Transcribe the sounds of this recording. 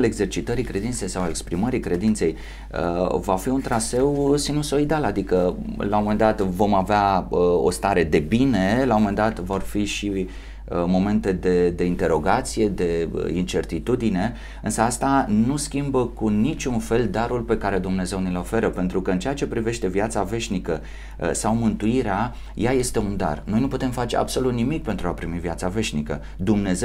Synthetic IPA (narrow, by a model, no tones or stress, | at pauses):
leɡze̞rt͡ʃit̪əɾikɾe̞d̪int̪se̞jsawale̞kspɾiməɾikɾe̞d̪int̪se̞j | ə̰vafiunt̪ɾase̞wsinuso̞id̪alad̪ikəlawomend̪at̪vo̞maveaəo̞̰st̪aɾe̞d̪e̞bine̞lawomend̪at̪vo̞rfiʃi | əmo̞me̞nt̪e̞d̪e̞d̪e̞int̪e̞ɾo̞ɡat̪sije̞d̪e̞̰int͡ʃe̞rt̪it̪ud̪ine̞ | ɨnsəast̪anuskʲimbəkunit͡ʃʲunfe̞ld̪aɾulpe̞kaɾe̞d̪umne̞ze̞wnilo̞fe̞ɾəpe̞nt̪ɾukəɨnt͡ʃe̞at͡ʃe̞pɾive̞ʃt̪e̞vjat̪save̞ʃnikə | sawmɨnt̪uiɾea | jaje̞st̪e̞und̪a̰rno̞jnuput̪e̞mfat͡ʃe̞ʔa̰bso̞lut̪nimik̚pe̞nt̪ɾuapɾimivijat̪save̞ʃnikə̰ | d̪umne̞ze